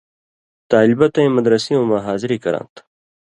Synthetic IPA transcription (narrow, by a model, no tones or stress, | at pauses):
t̪aːlibɐt̪ɐ̃j̃mɐd̪ɾɐsiõːmaɦaːziɾiːkɐɾã̰ːnt̪